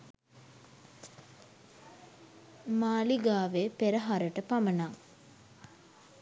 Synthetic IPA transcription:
maːliɡaːʋepeɾəɦaɾəʈəpamənaŋ

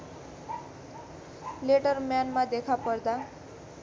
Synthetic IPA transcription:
leʈʌrmjanmad̪ekʰapʌɾd̪a

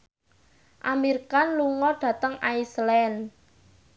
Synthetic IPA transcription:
ʔamiɾkanluŋɔɖ̥ä̤t̪əŋaislɛn

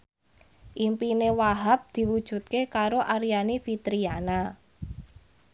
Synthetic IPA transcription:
ʔimpinewaɦap̚d̪̥i̤wud̥ʒ̥ṳt̪̚kekaɾoʔaɾjanifit̪ɾiana

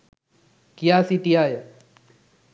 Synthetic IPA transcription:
kijaːsiʈijaːje

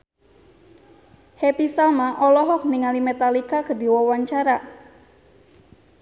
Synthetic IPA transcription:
hepisamaʔɔlɔɦɔk̚niŋalimet̪alikakədiwɔwaɲt͡ʃaɾa

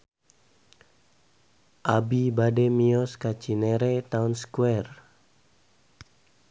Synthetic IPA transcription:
ʔabibademiɔskat͡ʃineɾet̪aʊnskwɛr

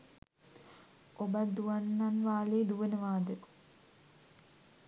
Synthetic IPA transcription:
obɐd̪uʋɐnːanʋaːleːd̪uʋənəʋaːd̪ə

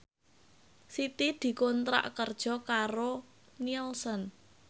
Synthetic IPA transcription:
sit̪id̪̥i̤kɔnt̪ɾa̰ʔkərd̥ʒ̥ɔ̤kaɾo | nilsən

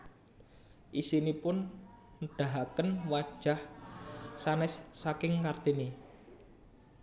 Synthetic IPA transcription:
ʔisinipʊn | ɖ̥aɦakənwad̥ʒ̥a̤h | sanɪsːakɪŋkart̪ini

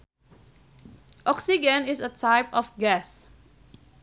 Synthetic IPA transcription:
ʔɔksid͡ʒə̃nɪsətʰaɪpɔfɡɛs

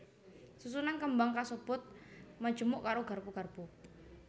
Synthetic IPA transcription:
sus̬unankəmbaŋkasub̥ʊt̪̚mḁd͡ʒ̥ə̤mʊʔkaɾoɡa̤rpuɡ̥a̤rpu

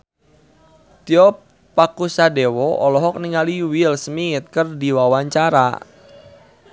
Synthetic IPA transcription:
t̪iɔpː | akusadɛwɔʔɔlɔɦɔk̚niŋaliwilsmiːt̪̚kərdiwawaɲt͡ʃaɾa̰

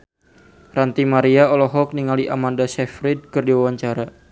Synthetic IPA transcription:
rant̪imaɾiaɔlɔɦɔk̚niŋaliʔamandasɛfɾid̚kɨrdiwawaɲt͡ʃaɾa

